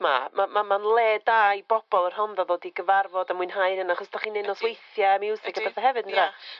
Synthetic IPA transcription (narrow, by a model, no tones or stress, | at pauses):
ma̰mamamanlˠeːdajb̥ɔb̥ɔlˠərɦɔnðaðoːdiɡəvarvɔdamʊɨnɦajɾənaχɔsdʰaχiːnɪnɔswejθjamɪwsɪɡ̥əbɛθaɦɛvɨdəndra